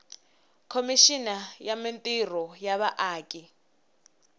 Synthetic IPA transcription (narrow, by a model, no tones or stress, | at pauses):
kʰomiʃinajamintʼir̤ɔjaβaʔaːkʼi